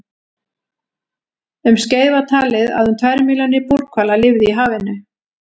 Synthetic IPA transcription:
ʏmsceːjðvaɾ̥t̪ʰaːlɪða̰ðhʏnt̪ʰvajɾɪmiːlanːɪpuɾ̥kʰvaːlalɪvðɪiɦaːvɪnːʏ

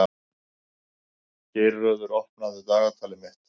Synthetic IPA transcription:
cɪɾːœːðʏɾɔhpnaðʏt̪aːɣat̪ʰaːlɪmɪht̪

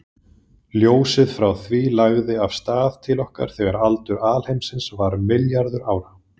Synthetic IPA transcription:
ljoːwsɪðfɾawθviːlaɣðɪav̥st̪aːðt̪ʰɪlɔhka̰ɾ̥θɛɣaɾalt̪ʏɾaːlhejmsɪnsvaɾmɪljaɾðʏɾaːwɾa

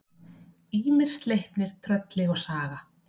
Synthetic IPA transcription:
iːmɪr̥st̪lejhp̪nɪɾ̥t̪ʰɾœt̪lɪɣɔɣsaːɣa

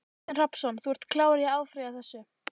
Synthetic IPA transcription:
r̥apsɔnθuɛɾ̥t̪kʰlaːwaɾjɛaːwfɾiaθɛsːʏ

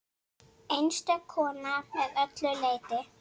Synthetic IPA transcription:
enst̪akʰɔːnamɛðœt̪lʏlejt̪ɪ

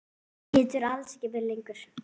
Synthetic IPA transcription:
hɪːt̪ʏɾalscɪvɪɾlɪŋkʏɾ̥

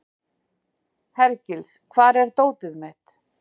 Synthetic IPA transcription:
hɛɾcɪlskʰvaːɾɛɾ̥t̪oːwt̪ɪðmɪt̪

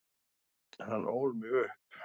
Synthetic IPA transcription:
hanːʔowɾmjø

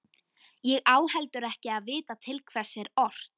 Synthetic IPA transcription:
jɛɣaːwhɛlt̪ʏɾɛhcɪaðvɪːt̪at̪ʰɪlkʰvɛ̥sːɛɾɔr̥t̪

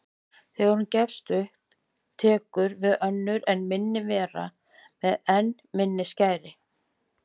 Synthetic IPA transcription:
θɛauncɛfst̪ʏhp | t̪ʰɛːkʏɾvɪðœnːʏɾɛnmɪnːɪvɛːɾa̰ | mɛðɛn | mɪnːɪscaːjɾɪ

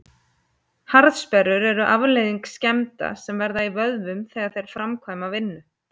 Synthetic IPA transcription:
haɾðspɛɾʏɾɛɾʏʔavlejðiŋkscɛmt̪a̰sɛmvɛɾðaivœðvʏmθɛːɣaɾθejɾ̥fɾamkʰvajmavɪnːʏ

